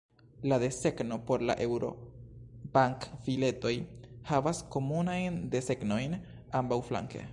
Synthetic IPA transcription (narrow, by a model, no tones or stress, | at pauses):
lade̞se̞kno̞po̞ɾla̰ʔewɾo̞̰ | baŋkfile̞t̪o̞jhavasko̞munajnd̪e̞se̞kno̞jn | ambawfla̰ŋke̞̰